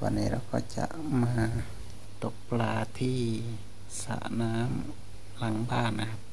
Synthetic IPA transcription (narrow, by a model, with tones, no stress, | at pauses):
ba̰˧nːḭ˧ɾa˧wkɔ̰ː˧˩t͡ɕa̰˧˨ʔ | maː˧ | t̪o˧˩k̚plaː˧t̪ʰiː˧˥˩ | sa̰˧ʔnaː˦˥m | la˧˦ŋbaː˧˩˨nːa˧kʰa˧p̚